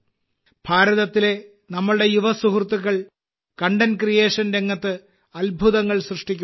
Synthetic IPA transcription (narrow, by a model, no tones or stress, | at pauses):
b̥ʱaːɾɐðɐt̪ːile̞ | nɐmːɐɭɨɽe̞juʋɐsuɦrt̪ːuɣɐɭ | kɐɳɖɐnkrije̞ːʂɐnɾe̞ŋːɐt̪ːɨ | ɐlbʱuðɐŋːɐɭsrɨʂʈikʲːu